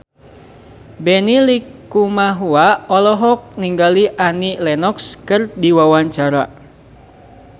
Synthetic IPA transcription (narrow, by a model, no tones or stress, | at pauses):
bɛnilikumaɦuaɔlɔɦɔk̚niŋɡaliʔanilɛnɔkskɨrdiwawaɲt͡ʃaɾa̰